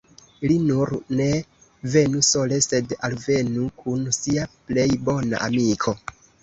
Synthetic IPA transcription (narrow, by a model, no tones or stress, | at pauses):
linuɾne̞ | ve̞nuso̞le̞se̞dalve̞nukʰunsiaple̞jbo̞na̰ʔamikʰo̞